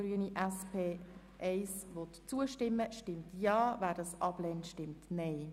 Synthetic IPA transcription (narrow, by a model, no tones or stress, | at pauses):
ɾyəniʔɛspʰeː | ʔɛɪsvɔt̪t͡suəʃtɪmːəʃtɪmtjɑːvæːɾdɑsʔɑb̥lɛntʃtɪmtnɛɪ